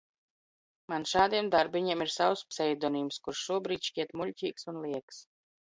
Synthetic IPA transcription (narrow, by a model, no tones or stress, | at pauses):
manʃaːd̪iɛmd̪aɾbiɲiɛmiɾsawspsɛjd̪ɔniːmskuɾʃːuɔbɾiːt̪ʃkʲiɛt̪muʎʲcʲiːksunlˠiɛks